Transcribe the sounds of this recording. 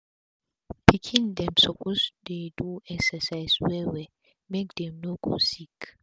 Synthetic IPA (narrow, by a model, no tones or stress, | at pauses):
pʰikʰĩnd̪ɛ̃msɔpʰosdeduɛksəsajswɛwɛ | mek̚d̪ɛ̃mnoɡo̰sik